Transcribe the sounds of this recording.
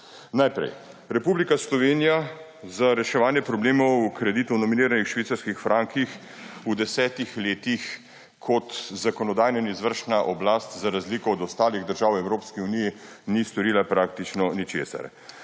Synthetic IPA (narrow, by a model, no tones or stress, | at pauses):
najpɾɛ̰j | ɾɛpuːblikaslɔʋeːnija | zaɾɛʃɛʋaːnjɛpɾɔbleːmɔwkɾɛd̪iːt̪uwnɔminiːɾanixʃʋiːt̪saɾskixfɾʔaːŋkʰix | ud̪ɛsɛːt̪ixleːt̪ix | kʰɔt̪zakɔnɔd̪aːjnainizʋəɾʃnaʔɔblaːst̪zaɾazliːkɔːd̪ɔst̪aːliɣd̪əɾʒaːwɛwɾoːpskiuniji | nist̪ɔɾiːlapɾak̚t̪it͡ʃnɔnit͡ʃḛːsa̰ɾ